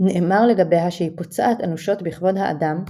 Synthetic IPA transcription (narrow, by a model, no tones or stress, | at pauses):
neʔemaʁle̞ɡabe̞jɦaʃeipot͡saʔat̪anuʃo̞tbiχvo̞dhaʔa̰dam